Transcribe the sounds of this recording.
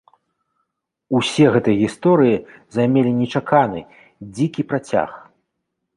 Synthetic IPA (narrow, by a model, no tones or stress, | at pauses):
usʲɛɣɛt̪ɨjɐɣʲist̪ɔɾɨjizajmʲelʲinʲɛt͡ʂakʰanɨ̰ | d͡zʲikʲipɾat͡sʲa̰x